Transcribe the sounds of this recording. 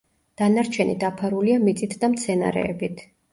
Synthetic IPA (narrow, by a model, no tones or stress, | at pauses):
d̪̥anaɾt͡ʃʰɛnid̪apʰaɾuliamit̪sʼit̪ʰd̪amt̪sʰɛna̰ɾɛ̰ɛbit̪ʰ